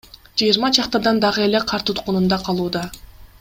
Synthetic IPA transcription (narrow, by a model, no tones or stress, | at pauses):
d͡ʒɯjiɾmɑd͡ʒɑqt̪ɑd̪ɑnd̪ɑʁɯe̞le̞qʰɑɾt̪ʰut̪qunund̪ɑqʰɑlˠuːd̪ɑ